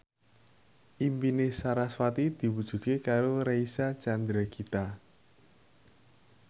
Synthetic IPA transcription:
ʔimpinesaɾaswat̪id̪̥i̤wud̥ʒ̥ṳd̪̚kekaɾoɾeisat͡ʃand̪ɾakʰit̪a

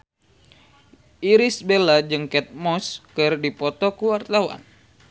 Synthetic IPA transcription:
ʔiɾisbelad͡ʒɨŋkɛt̪̚mɔskɨrdipɔt̪ɔkuwart̪awa̰n

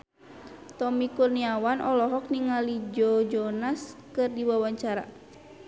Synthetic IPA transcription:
t̪ɔmikurniawanʔɔlɔɦɔk̚niŋalid͡ʒɔd͡ʒɔnaskɨrdiwawaɲt͡ʃaɾa̰

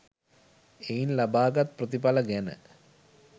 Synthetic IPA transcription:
ejinlabaːɡat̪̚prət̪ipaləɡænə̰

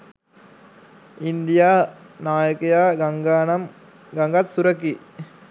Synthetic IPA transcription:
ind̪ijaː | naːjɐkɐjaːɡɐɡaːnɐm | ɡɐŋɡɐt̪suɾɐki

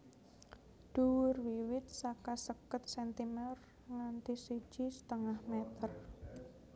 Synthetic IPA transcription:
d̪̥uwʊrwiwɪt̪̚sakasəkət̪̚sɛnt̪imɛr | ŋant̪isi̥ʒ̥isə̥t̪əŋahmɛt̪ər

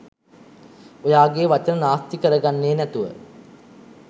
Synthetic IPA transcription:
ojaːɡeːʋat͡ʃənənaːst̪ikəɾəɡanːeːnæt̪uʋə

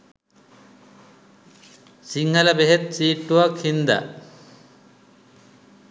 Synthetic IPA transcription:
siŋhalabeɦet̪̚t͡ʃiːʈːuwakʰind̪a̰

